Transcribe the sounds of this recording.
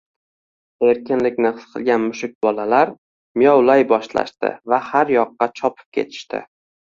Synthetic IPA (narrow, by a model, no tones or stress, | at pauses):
e̞ɾkʲʰɪnlɪkʲnɪqsqʰɨlˠɡʲanmʊʃʊk̚ʲbɒlalaɾ | mɪjɒwlajbɒʃla̰ʃt̪ɪ̰vahaɾjɒqːɑt͡ʃʰɒpʰɪ̥p̚kʲʰe̞̰t̪ʰɪ̥ʃt̪ɪ̰